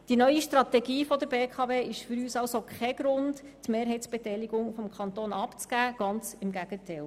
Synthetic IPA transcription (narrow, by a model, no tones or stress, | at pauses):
d̥inœʏiʃtɾɑt̪ɛɡiːfɔd̪əɾbeːkʰɑveːɪʃfʏɾyːsɑwsokʰχɛɡ̥ɾʊnt | tmeːɾɦɛɪtt͡sb̥ɛtɛjliɡ̥ʊŋfɔmkʰχɑnt̪oːnɑpt͡sɡ̥æːɡ̥ɑnt͡sɪmɡæɡ̥ətʰɛl